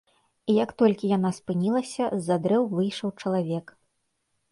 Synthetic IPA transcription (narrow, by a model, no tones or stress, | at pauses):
ijɐkt̪ɔlʲkʲijanaspɨnʲilˠɐsʲɐzːad̪ɾɛwvɨjʂɐwt͡ʂɐlˠavʲɛk